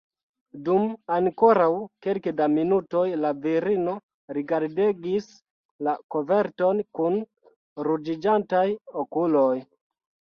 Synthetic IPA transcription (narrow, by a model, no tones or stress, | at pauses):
dumaŋko̞ɾawkelkedaminuto̞jlaviɾino̞ | ɾiɡaɾdeɡis | lakove̞ɾto̞nkun | ɾud͡ʒid͡ʒantajokuloj